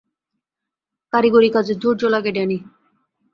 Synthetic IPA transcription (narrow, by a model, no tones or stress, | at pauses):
kaɾiɡoɾikad͡ʑed̪ʱuɾd͡ʑolaɡeɖani